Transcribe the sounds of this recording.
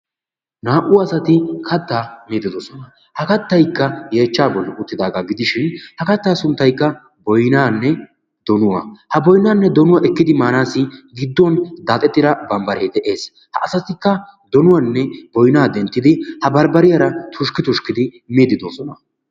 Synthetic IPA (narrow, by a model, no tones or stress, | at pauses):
naːʔʊwɐsɐt̪ɪkʰɐt̪ːaːmeːd̪ɪd̪ɔsɔnɐ | hɐkɐt̪ːɐjkːɐjeːt͡ʃːaːbɔlːɛʔʊt̪ːɪd̪aːɡaːɡɪd̪ɪʃɪnhɐkɐt̪ːaːsʊnt̪ːɐjkːɐ | bɔjnaːnːɛ | d̪̥ɔnʊwɐ̰hɐbɔjnaːnːɛd̪ɔnʊwaʔɛkːɪd̪ɪmaːnaːsːɪɡɪd̪ːɔnd̪aːt̪ʼɛt̪ːɪd̪ɐbɐmbɐɾeːd̪ɛʔe̞ːs | hɐ̰ʔɐsɐt̪ɪkːɐd̪ɔnʊwɐnːɛbɔjnaːd̪ɛnt̪ːɪd̪ɪhɐbɐɾbɐɾɪjɐɾɐt̪ʰʊʃkɪt̪ʊʃkɪd̪ɪ | meːd̪ɪd̪osɔnɐ